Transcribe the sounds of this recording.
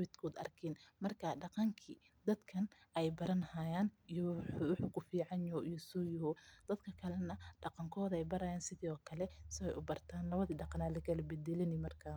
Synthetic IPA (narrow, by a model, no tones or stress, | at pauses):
wɪt̪kʰuːd̪ɐ̰rkʰɛːnmɐrkʰɐɖɑqɑŋkʰi | d̪ɐd̪kʰɐnʔɛjbɐɾɐnhaːjaːnijɔwʊħukʰʊfiːʕɑnjɔʔijɔsuːjɔhɔd̪̥ɐd̪kʰɐkʰɐlɛnɐɖɑqɑŋkʰɔːðɐɛjbɐɾaːjaːnsɪðiːɔːkʰɐlɛsɪwɛjʔʊbɐrt̪ʰaːnlɐβɐðiːɖɑqɑnaːlɐkʰɐlɐbɛd̪ɛlɪnɪmɐrkʰaː